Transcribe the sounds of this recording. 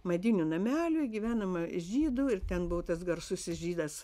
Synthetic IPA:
mɐd̪ʲɪnʲʊnɐmʲæːlʲʊɡʲiʋʲæːnɐmɐɪʒʲiːd̪ʊɪrt̪ʲɛnbʊʋot̪ɐsɡɐrsʊsɪsʒʲiːd̪ɐs

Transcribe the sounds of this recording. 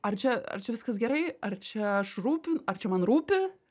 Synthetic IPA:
ɐrt͡ʃʲɛɐ̰rt͡ʃʲɛʋʲɪskɐsɡʲɛɾɐɪɐrt͡ʃʲɛɐʃruːpʲɪnɐrt͡ʃʲɛmɐnɾuːpʲɪ

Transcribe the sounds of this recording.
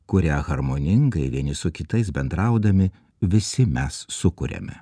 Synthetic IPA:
kʊɾʲæːɣɐɾmoːnʲɪŋɡɐɪʋʲiɛnʲɪsʊkʲɪt̪ɐɪs̬bʲɛnd̪ɾɐʊd̪ɐmʲɪ | ʋʲɪsʲɪmʲɛsːʊkʊɾʲɛ̰mʲɛ̰

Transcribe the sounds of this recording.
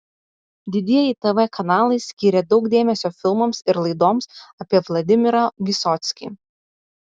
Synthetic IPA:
d̪ʲɪd̪ʲiɛjɛɪt̪ɛʋɛkʰɐnɑːlˠɐɪsʲkʲiːɾʲɛd̪ɒʊkd̪ʲeːmʲɛsʲoːfʲɪlˠmɐmsɪɾlˠɐɪd̪oːmsɐpʲiɛʋlˠɐd̪ʲɪmʲɪɾɐʋʲɪsɔt̪ʲsʲkʲḭː

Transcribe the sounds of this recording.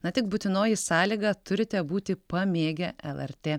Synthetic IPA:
nɐt̪ʲɪk̚bʊt̪ʲɪnoːjɪsɑːlʲiːɡɐt̪ʊɾʲɪt̪ʲɛbuːt̪ʲɪpɐmʲeːɡʲɛʔɛlˠɛɾʲt̪ʲeː

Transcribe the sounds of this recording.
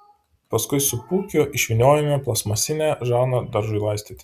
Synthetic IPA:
pɐskʊɪsʊpuːkʲʊɪʃʲʋʲɪnʲoːjɛmʲɛplˠɐsmɐsʲɪnʲæːʒɑːnod̪ɐɾʒʊɪlˠɑɪst̪ʲiːt̪ʲ

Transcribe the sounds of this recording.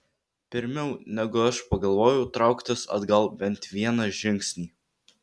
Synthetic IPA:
pʲɪɾʲmʲɛʊnʲɛɡʊɐʃpɐɡɐlˠʋoːjɛʊt̪ɾɑˑʊkt̪ʲɪsɐ̰d̪ɡɐlˠbʲɛnˑt̪ʲʋʲiɛnɐʒʲɪŋʲˑksʲnʲiː

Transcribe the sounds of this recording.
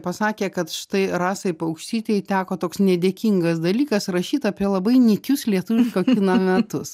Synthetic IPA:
pɐsɑːkʲeːkɐt̪ʃʲɪ̥t̪ɐɪɾɑːsɐɪpɐʊkʃʲt̪ʲiːt̪ʲejt̪ʲæːkoːt̪oːksnʲɛd̪ʲeːkʲiŋɡɐsd̪ɐlʲiːkɐsɾɐʃʲiːt̪ɑːpʲiɛlˠɐbɐɪnʲɪkʲʊslʲiɛt̪ʊʋɪʃkoːkʲɪnɐmʲɛt̪ʊs

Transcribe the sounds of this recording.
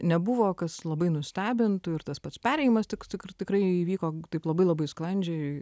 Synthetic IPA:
nʲɛbʊʋoːkɐslˠɐbɐɪnʊsʲt̪ʲæːbʲɪnt̪ʊɪɾt̪ɐspɐt̪spʲæːɾʲɛɪjɪmɐst̪ʲɪkt̪ʲɪkt̪ʲɪkrɐɪiːʋʲiːkoːt̪ɐɪplˠɐbɐɪlˠɐbɐɪsklˠɐnʲd͡ʒʲɛɪ

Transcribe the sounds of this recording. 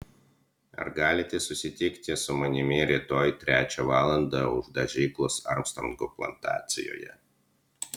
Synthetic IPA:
ɐ̰ɾɡɑːlʲɪt̪ʲɪsʊsʲɪt̪ʲɪkt̪ʲɪsʊmɐnʲɪmʲɪɾʲit̪oːjt̪ʲɾʲæːt͡ʃʲɛʋɑːlˠɐnd̪ɑʊ̰ʒd̪ɐʒʲiːklˠosɐ̰ɾmst̪ɾɔŋɡoplˠɐ̰nt̪ɑ̰ːt̪ʲsʲɪ̰jo̰ːjɛ̰

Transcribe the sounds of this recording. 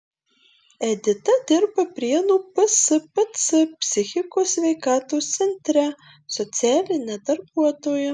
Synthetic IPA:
ɛd̪ʲɪt̪ɐd̪ʲɪɾbɐpʲɾʲiɛnuːpɐsɨpɐt̪sɨpʲsʲɪxʲɪkoːsʲʋʲɛɪkɑːt̪oːst̪sʲɛnʲt̪ʲɾʲɛ | sɔt̪sʲɪæːlʲɪnʲɛd̪ɐɾbuɔt̪oːjʊ

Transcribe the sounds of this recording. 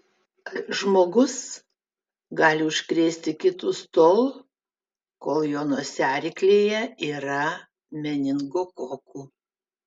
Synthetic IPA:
ʒmoːɡʊs | ɡɑːlʲɪʊʃʲkɾʲeːsʲt̪ʲɪkʲɪt̪uːst̪oːlˠ | koːlˠjoːnoːsʲæːɾʲɪklʲeːjɛiːɾɐ | mʲɛnʲɪŋɡoːkoːkuː

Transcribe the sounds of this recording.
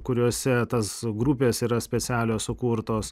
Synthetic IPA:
kʊɾʲuɔːsʲɛt̪ɐsɡɾupʲeːsiːɾɐsʲpʲɛt̪sʲæːlʲoːssʊkuːɾt̪oːs

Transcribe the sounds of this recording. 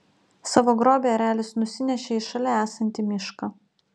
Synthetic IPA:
sɑːʋoːɡɾoːbʲeːɐɾʲæːlʲɪsnʊsʲɪnʲɛʃʲeːɪʃɐlʲɛæːsɐnʲt̪ʲɪmʲɪʃkɐ

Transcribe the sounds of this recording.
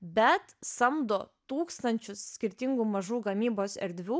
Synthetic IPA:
bʲɛt̪sɐmd̪oːt̪uːkst̪ɐnʲt͡ʃʲʊsːʲkʲɪɾʲt̪ʲɪŋɡuːmɐʒuːɡɐmʲiːboːsɛ̰ɾʲd̪ʲʋʲuː

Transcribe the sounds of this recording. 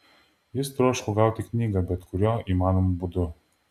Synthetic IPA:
jɪst̪ɾoɔʃkʊɡɑˑʊt̪ʲɪknʲiːɡɐbʲɛt̪kʊɾʲoːʔiːmɑːnomubʊd̪ʊ

